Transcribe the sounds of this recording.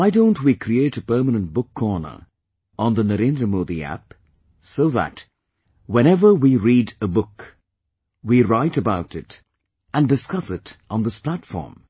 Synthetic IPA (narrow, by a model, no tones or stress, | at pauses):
waɪdõʊ̃ntwikʰɾieɪɾəpɜ˞mənə̃nt̚b̥ʊkʰːɔɹnə̰˞ | ʔə̃nðənəɾẽndɾəmuðiæ̰p | soʊðæ̰t | wɛ̃ɾ̃ɛvə˞wiɹiːɾəbʊk | wiɹaɪɾəbaʊɾɪt | ə̃ndɨskʌsɪtʔn̩ðɪspʰl̥ætfɔ̰ɹm